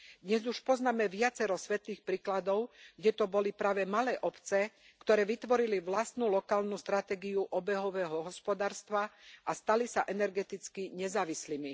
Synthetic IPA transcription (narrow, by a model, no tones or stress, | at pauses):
d̪ɲɛzuʃpɔznaːmɛʋɪat͡sɛɾɔsʋɛt̪liːxpɾiːklad̪ɔʊɡɟɛt̪ɔbɔlipɾaːʋɛmalɛːʔɔpt͡sɛ | kt̪ɔɾɛːʋit̪ʋɔɾiliʋlast̪nulɔkaːlnust̪ɾat̪ɛːɡiuʔɔbɛɦɔʋɛːɦɔɦɔspɔd̪aːɾst̪ʋaʔast̪alisaʔɛnɛɾɡɛt̪it͡skiɲɛzaːʋislimi